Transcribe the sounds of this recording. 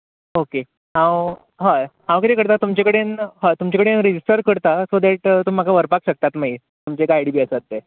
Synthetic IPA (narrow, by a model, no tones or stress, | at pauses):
oke | ɦãw | ɦajɦãw̃kit̪ekəɾt̪at̪umt͡ɕakəɽenɦət̪umt͡ɕekəɽenɾed͡ʑisʈəɾkəɾt̪asod̪ɛʈt̪umːakaʋəɾpakɕək̚t̪at̪maɦi | t̪umt͡ɕekajɽibiːəsətt̪ːe